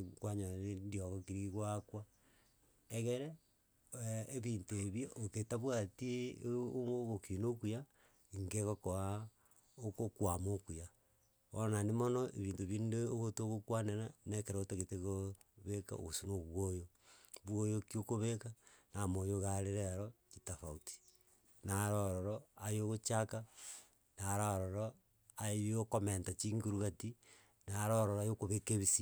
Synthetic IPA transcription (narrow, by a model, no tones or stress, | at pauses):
kwaɲaanendioɣokiɾiɣwakwa | eɣeɾe | βintoeβjoʔːketaβwatie | oɣokinokuja | ŋɡeɣokoa | okokwamokuja | onanimonoʔḛβiːntoβindeoɣotoɣokwaneɾanekeɾaoteɣeteɣo | βeka̰o̰ɣosunoβwojo | βwojokiokoβekanamoːjoɣaɾeɾeɾokitafauti̥ | naɾoɾoɾoajoɣot͡ʃaka | naɾaɾoɾo | ajokomentat͡ʃiŋɡuɾuɣati | naɾoɾoɾajokoβekeβisi